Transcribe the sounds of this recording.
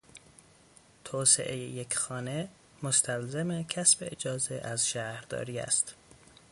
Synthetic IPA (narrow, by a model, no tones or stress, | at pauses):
t̪ʰɒːsḛʔejḛjecʰxɒːne | most̪ʰælzemecʰæsbeʔed͡ʒɒːzeʔæzʃæhɾd̪ɒ̰ːɾiːæ̰st̪